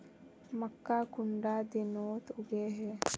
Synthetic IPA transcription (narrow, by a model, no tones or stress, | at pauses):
məkːaːkʊɳɖad̪inoːt̪ʊɡeːɦɛ